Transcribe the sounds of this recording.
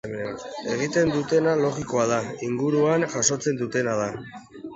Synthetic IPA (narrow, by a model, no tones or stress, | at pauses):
mee̞ɣ̞it̪e̞nd̪ut̪e̞nalo̞ɣiko̞aðaiŋɡuɾuanʝaso̞t͡se̞nd̪ut̪e̞nað̞a